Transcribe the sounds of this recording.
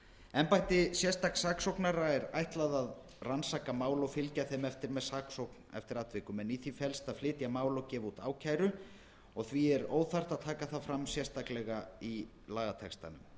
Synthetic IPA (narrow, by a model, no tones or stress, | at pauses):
ɛmpajht̪ɪsjɛst̪aksaːksowknaɾaɛɾa̰jht̪laðað | ransaːkamaːwlowfɪlcaθejmɛft̪ɪɾmɛðsaːksowknɛ̰ft̪ɪɾaːt̪vɪkʏmɛniθifɛlst̪aðflɪːt̪jamaːwlowcɛːvut̪a̰ːwcʰaːjɾʏ | ɔɣθviɛɾoːwθar̥t̪aðt̪ʰaːkaθafɾamsjɛst̪aklɛɣai | laːɣat̪ʰɛkst̪a̰nʏm